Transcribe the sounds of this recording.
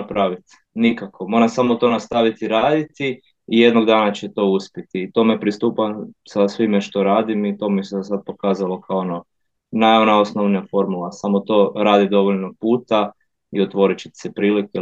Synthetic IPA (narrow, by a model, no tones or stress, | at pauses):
pɾaʋit̪ | nikakʰo̞mo̞ɾasamot̪o̞nast̪aʋit̪iɾaːd̪it̪i | ije̞d̪noɡd̪aːnat͡ɕet̪o̞uspʲjet̪iːt̪o̞ːmepɾist̪uːpasasʋimeʃt̪o̞ɾaːd̪imit̪o̞mises̬ad̪̚po̞kaːzalo̞kʰaoono | najonaosnoʋnijafo̞ɾmulasamot̪o̞ːɾaːd̪id̪o̞ʋoʎnopuːt̪a | iot̪ʋo̞ɾit͡ʃe̥t̪sepɾiːlike